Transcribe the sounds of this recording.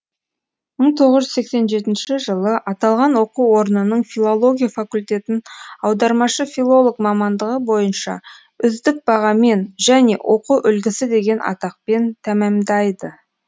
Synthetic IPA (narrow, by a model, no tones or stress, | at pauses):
məɴt̪ʰo̞ʁəʒʏzse̞kse̞nʒe̞t̪ɪnʃɪʒəlˠəʔɑt̪ɑlˠʁɑnwo̞quwo̞ɾnənəɴfʲilˠo̞lˠo̞ɡʲijafakulʲt̪e̞t̪ɪnɑwd̪ɑɾmɑʃəfʲilˠo̞lˠokmɑmɑnd̪əʁəbo̞jənʃɑ̰ | ʏzd̪ɪk̚bɑʁɑme̞nʒæne̞̰wʔo̞quʔʏlɡʲɪsɪd̪e̞ɡʲe̞nʔɑ̰t̪ɑq̚pe̞nt̪ʰæmæmd̪ɑjd̪ə